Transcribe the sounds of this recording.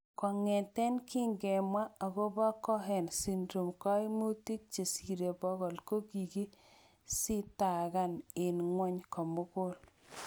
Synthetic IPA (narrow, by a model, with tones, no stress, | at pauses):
kɔ˨ŋɛ˨tɛ˦nkʰi˦ŋɡɛ˨mwa˦a˨ɣo˦ba˦kɔ˦ɦɛ˨nsi˨ndɾo˨mka˦i˦mu˦ti˦k̚t͡ʃe˨si˨ɾe˨bɔ˦ɣɔ˨lko˦ɡi˨ɡi˦ | si˦ta˨ɣa˦nɪ˨nŋwɔ˦ɲkɔ˨mʊ˦kʊ˦l